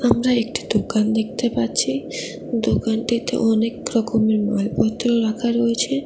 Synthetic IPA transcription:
amɾaek̚ʈid̪okand̪ek̚ʰt̪epaɾt͡ɕʰi | d̪okanʈit̪ḛʔɔnekɾɔkomeɾmalpɔt̪ːɾoɾakʰaɾojet͡ɕʰe

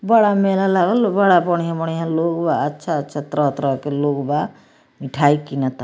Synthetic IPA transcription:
bəɽamelalaɡəlbəɽabɔɽ̃iɦãbɔɽ̃iɦãloɡbaətːʃʰaətːt͡ʃʰat̪ɾəɦt̪ɾəɦkeloɡba | miʈʰaikinat̪

